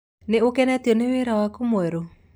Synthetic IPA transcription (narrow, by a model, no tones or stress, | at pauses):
neokɛnɛtiɔneweɾawakomwɛɾo